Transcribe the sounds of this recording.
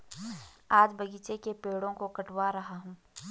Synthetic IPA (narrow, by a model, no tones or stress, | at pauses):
aːd͡ʒbɐɡiːt͡ʃekepeːɽõkokɐʈwaɾɐɦaɦũː